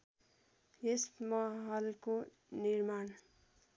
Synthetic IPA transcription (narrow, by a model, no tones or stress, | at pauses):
jesmʌɦʌlko | niɾman